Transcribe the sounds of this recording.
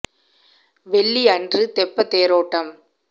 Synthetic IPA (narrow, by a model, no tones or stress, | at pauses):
ʋɛɭːiɐndrɯt̪ɛpːɐt̪ːeːɾoːʈːɐm